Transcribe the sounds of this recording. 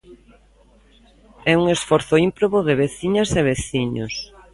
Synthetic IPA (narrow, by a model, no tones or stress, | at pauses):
ɛuŋesfɔɾθʊimpɾoβoðeβeθiɲɐzeβeθiɲo̰s